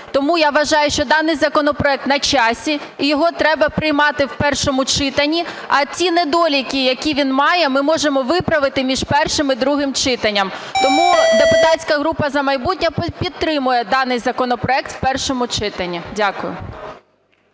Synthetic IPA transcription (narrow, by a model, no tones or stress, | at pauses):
t̪ɔmujaʋɐʒɑjʊʃt͡ʃɔd̪ɑnɪjzɐkɔnɔpɾɔɛk̚t̪nɐt͡ʃɑsʲiːjɔɦɔt̪ɾɛbɐpɾɪjmɑt̪ɪwpɛrʃɔmʊt͡ʃɪt̪ɐnʲːi | ɐt͡sʲinɛd̪ɔlʲikʲijɐkʲiʋʲinmɑjɛmɪmɔʒemɔʋɪpɾɐʋɪt̪ɪmʲiʒpɛrʃɪmid̪ɾuɦɪmt͡ʃɪt̪ɐnʲːɐmt̪ɔmud̪epʊt̪ɑsʲkɐɦɾupɐzɐmɐjbutʲnʲɐppʲid̪̚t̪ɾɪmʊjɛd̪ɑnɪjzɐkɔnɔpɾɔɛk̚t̪w̥pɛrʃɔmʊt͡ʃɪt̪ɐnʲːidʲakʊjʊ̰